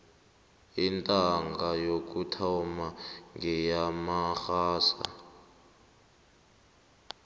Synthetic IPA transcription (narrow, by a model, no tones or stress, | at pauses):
intʼaŋɡajok̬ʼutʰawmaŋɡɛjamaxaːsa̰